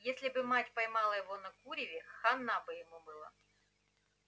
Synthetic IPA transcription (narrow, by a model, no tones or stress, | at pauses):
jesʲlʲɪbɨmatʲpɐjmɑlˠəjɪvo̞nɐkuɾʲɪvʲɪxɐnːabɨjɪmubɨlˠa̰